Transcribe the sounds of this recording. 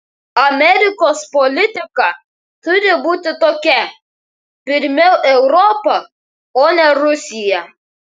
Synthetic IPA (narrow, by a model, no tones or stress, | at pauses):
ɐmʲɛɾʲɪkoːspɔlʲɪt̪ʲɪkɐ | t̪ʊɾʲɪbuːt̪ʲɪt̪oːkʲɛ | pʲɪɾʲmʲɛʊʔɛʊɾɔpɐ | oːnʲɛɾʊsʲɪjɛ